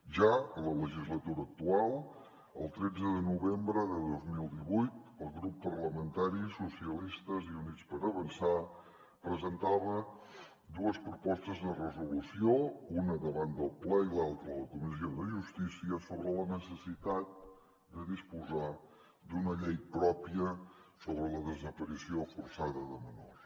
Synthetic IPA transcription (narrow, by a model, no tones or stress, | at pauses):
ʒaələləʒizlət̪uɾəːk̚t̪ualˠ | ə̰lˠt̪ɾɛd͡zəðənuβembɾəðəðozmilˠd̪iβujt̪əlˠɣɾupːəɾləmənt̪aɾisusiəlist̪əziunitt͡spəɾəβənsa | pɾəzənt̪aβə | d̪uəspɾupɔst̪əzðərəzulusiounəðəβand̪əlˠplɛilalˠt̪ɾəlˠəkumisioðəʒust̪isiəsoβɾələnəsəsit̪at̪̚ | d̪əðispuza | d̪unəʎejpɾɔpiəsoβɾələðəzəpəɾisiofursaðəðəməno̰s